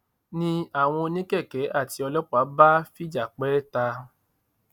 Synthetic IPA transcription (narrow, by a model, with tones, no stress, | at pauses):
nĩ˧a˦˨w̃ɔ̃˧nĩ˦kɛ˦˨kɛ˨˦ʔa˦˨ti˧ɔ˧lɔ˦k͡pa˨˦ba˦fi˦d͡ʒa˨k͡pɛ˦ta˧